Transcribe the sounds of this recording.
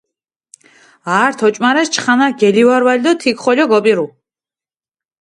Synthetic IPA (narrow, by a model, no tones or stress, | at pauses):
aːɾt̪ʰɔt͡ʃʼmaɾɛst͡ʃʰχanaɡɛliwaɾwalid̪ɔt̪ʰikχɔʎɔɡɔpʼiɾu